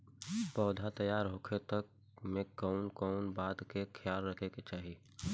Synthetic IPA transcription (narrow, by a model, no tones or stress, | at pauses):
pɔːd̪ʱat̪ɐjaːɾɦoːkʰet̪ɐk̚ | mẽkɔʊnkɔʊnbaːd̪kekʰjaːlɾɐkʰeket͡ʃaːɦi